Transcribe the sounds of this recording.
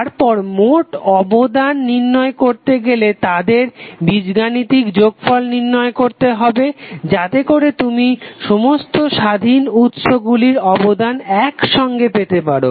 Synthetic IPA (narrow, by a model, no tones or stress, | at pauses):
aɾpɔɾmoʈɔbod̪anːiɾnɔekoɾt̪eɡelet̪ad̪eɾbid͡ʑɡanit̪ikd͡ʑoɡfɔlniɾnɔekoɾt̪eɦɔbed͡ʑat̪ekoɾet̪umiʃomost̪oʃad̪ʱinut̪ʃoɡuliɾɔbod̪anɛkʃɔŋɡepet̪epaɾo̰